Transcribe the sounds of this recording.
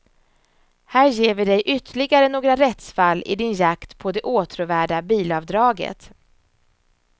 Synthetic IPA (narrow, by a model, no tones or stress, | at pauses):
hæːɾjeːvɪd̪ɛjʔʏt̪ʰəɭɪɡaɾənoːɡɾaɾɛt̪sfalːɪ̰d̪ɪnjakt̪pʰɔd̪ɛʔoːt̪ʰɾʊvæːɖabiːlɑvd̪ɾɑːɡə̰t̪